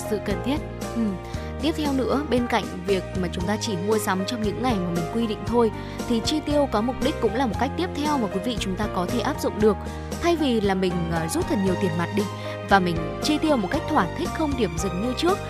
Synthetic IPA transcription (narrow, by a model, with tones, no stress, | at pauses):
sɨ̰˧˨kə˨˩nt̪ʰi˦˥ət̚ | ʔɨ˨˩m | t̪i˦˥əp̚t̪ʰɛ˧wnɨ̰˧˥əɓe˧nka̰˧˨jŋ̟vi˨˩ək̚maː˨˩t͡ɕʊ˨˦ŋ͡mt̪aː˧t͡ɕi˧˩mu˧əsa˨˦wmt͡ɕɔ˧wŋ͡mɲɨ̰˧˥ŋːa˨˩jmaː˨˩mï˨˩ŋ̟kwi˧ɗḭ˧˨ŋ̟t̪ʰo˧j | t̪ʰi˨˩t͡ɕi˧t̪i˧əwkɔ˨˦mʊ˨˩k͡p̚ɗi˦˥k̟̚kːʊ̰˧˥ŋ͡mlaː˨˩mo˨˩t̚ka˦˥k̟̚t̪i˦˥əp̚t̪ʰɛ˧wmaː˨˩kwi˨˦vḭ˧˨t͡ɕʊ˨˦ŋ͡mt̪aː˧kɔ˨˦t̪ʰe˧˩ʔaː˦˥p̚zʊ̰˧˨ŋ͡mɗɨ˨˩ək̚ | t̪ʰa˧jvi˨˩laː˨˩mï˨˩ŋ̟ː˨˩zu˦˥p̚t̪ʰə˨˩n̚ɲi˨˩əwt̪i˨˩ənma˨˩t̚ɗi˧ | vaː˨˩mï˨˩ŋ̟ | t͡ɕi˧t̪i˧əwmo˨˩ka˦˥jk̚t̪ʰwaː˧˩nt̪ʰï˦˥k̟̚xə˧wŋ͡mɗi˧˩əmzɨ˨˩ŋɲɨ˧t͡ɕɨ˦˥ək̚